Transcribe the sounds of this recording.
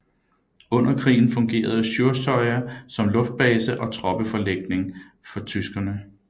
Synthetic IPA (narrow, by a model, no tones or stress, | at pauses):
ɔ̽n̰ɐkʰʁḭːn̩fɔ̽ŋɡ̥e̝̰ːɐð̞̩ˠəɕoɐsʰɒ̽ɪɐsɒ̽mlɔ̽fd̥̚b̥ɛːsəʔɒ̽t͡sʰʁɒ̽b̥əfɒ̽leɡ̥̚ne̝ŋ | fɒ̽t͡sʰysɡ̥ɐnə